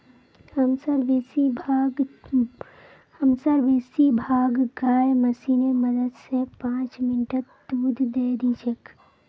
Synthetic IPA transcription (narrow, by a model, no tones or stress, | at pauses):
həmsəɾʋeːsibʱaɡ | həmsəɾʋeːsibʱaːɡɡaːjmɐsinemɐd̪əd̪sepãːt͡ʃmɪnʈəɾd̪uːd̪ʱd̪eːd̪ĩt͡ʃʰək